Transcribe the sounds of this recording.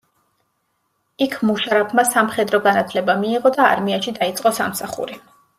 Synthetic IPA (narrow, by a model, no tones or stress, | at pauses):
ikʰmuʃaɾapʰmasamχɛd̪ɾɔɡanat̪ʰlɛbamiːʁɔd̪a̰ːɾmiaʃid̪ait̪sʼqʼɔsa̰msaχṵɾi